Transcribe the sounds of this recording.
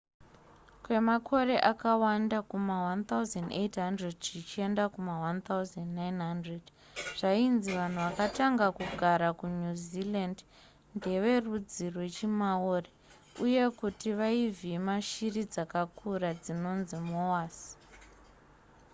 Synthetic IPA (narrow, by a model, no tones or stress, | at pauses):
kwe̞makʰo̞ɾe̞ʔakawandakumawant̪auzandetɦandredʐit͡ʃie̞ndakumawant̪auzandnajnɦandred | ʐ̥ainziʋan̤uʋakataŋɡakuɡʱaɾakuɲuziland | nde̞ʋe̞rud͡zirwe̞t͡ʃimaoːre | uje̞kutiʋaivimaʃirid͡zakakʰurad͡zino̞nzimowaːs